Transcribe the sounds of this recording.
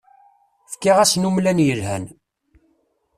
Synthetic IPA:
fkːiʁæsnumlænjəlhæ̰n

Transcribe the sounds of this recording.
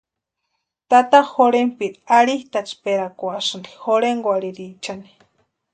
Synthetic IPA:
t̪at̪axoɾempiɾiaɾiht̪at͡ʃpeɾakʷasɨndi̥xoɾeŋɡʷaɾiɾit͡ʃani̥

